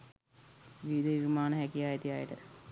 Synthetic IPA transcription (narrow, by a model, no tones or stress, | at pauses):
ʋiʋid̪əʋimaːnəɦækijaːjet̪ijaːjəʈə̰